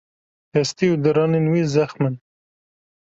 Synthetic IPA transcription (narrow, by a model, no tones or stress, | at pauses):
hɛst̪iud̪ɨɾɑːnenwizaxmɨn